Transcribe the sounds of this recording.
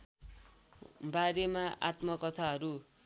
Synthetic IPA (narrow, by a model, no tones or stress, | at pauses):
baɾemaʔa̰t̪mʌkʌt̪ʰaɦʌɾu